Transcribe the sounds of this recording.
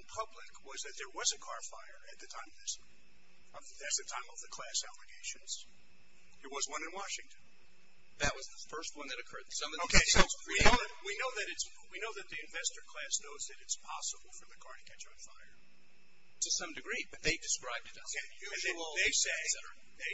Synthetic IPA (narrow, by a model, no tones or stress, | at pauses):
pʰʌblɪkwʌzðɨt̪̚ðə˞wʌzɨkʰɑɹfaɪə˞ɨt̪̚ðɨtʰãɪ̃mʌvðɪs | ʌ | ɨt̪̚ðɨtʰãɪ̃mʌvðɨkʰl̥æsælˠɨɡeɪʃɨ̃nz̥ | ðə˞wʌzwʌ̃nɨ̃nwɑʃɪ̃ŋtʰɨ̃n̩ | ðɨt̚wʌzðəfɜ˞st̚wʌ̃nðɨɾɨkʰɜ˞d̪̚sʌ̃mʌoʊkesoinoʊðwinoʊðɨɾɨts | winoʊðɨt̪̚ðiɨ̃ɱvɛstə˞kʰl̥æsnoʊzðɨɾɨtspʰɑsəbl̩ˠfə˞ðɨkʰɑɹɾɨkʰɛt͡ʃʌnfa̰ɪə˞ | tʰɨsʌ̃mdɨɡɹibʌt̪̚ðeɪdɨskɹaɪb̚dɨɾʌeʉɨ̃ðeɪseɪsɛə | ðeɪ